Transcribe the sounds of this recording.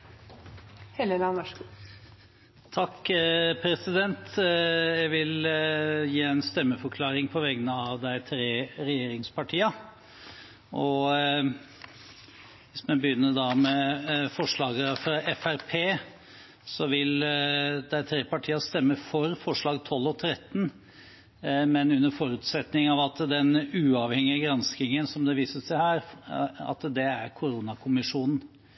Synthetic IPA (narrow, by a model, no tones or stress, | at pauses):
hɛləlɑnɔʂ | t̪ʰɑkːpʰɾɛsɪd̪ɛnt̪jæɡʋɪl | jiːæɪnst̪ɛmːəfɔɾkʰlɑːɾɪŋpʰɔʋɛɡənəɑʋd̪æɪt̪ʰɾeːɾɛjeːɾɪŋspʰɑʈʰiːɑ | ʔɔ | ʋɪsmɛbəjʏnːəɖɑmɛfɔʂɭɑːɡəfɾɑɛfæɾpʰeː | sɔʋɪld̪æt̪ʰɾeːpɑʈʰiːɑst̪ɛmːəfɔɾfɔʂɭɑːɡt̪ʰɔlːɔt̪ʰɾɛt̪ːn̩ | mɛnʉnːəɾfɔɾʉːt̪sɛt̪nɪŋɑʋɑt̪d̪ɛnʉːɑʋhɛŋɪəɡɾɑnskɪŋənsɔmd̪ɛʋiːsəsæɪhæːɾɑ̰t̪d̪ɛæɾkʰʊɾunɑkʰʊmɪʂuːnn̩